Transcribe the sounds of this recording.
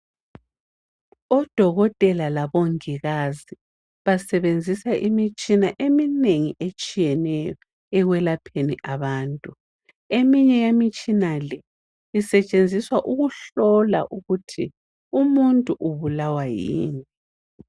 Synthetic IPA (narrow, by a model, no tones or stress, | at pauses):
ɔd̥ʱɔɣɔtʼɛlalaβoŋiɣazi | βasɛβend͡zʱisaʔimit͡ʃʼinaʔemineŋiʔet͡ʃʼijɛnɛjɔ | ɛɣwɛlapʰenḭʔaβaːntʼu | emiɲɛjamit͡ʃʼinalɛ | isɛt͡ʃʼend͡zʱiswaʔuɣuɬɔla̰ʔuɣutʰi | umuntʼuʔuβulawajḭːŋi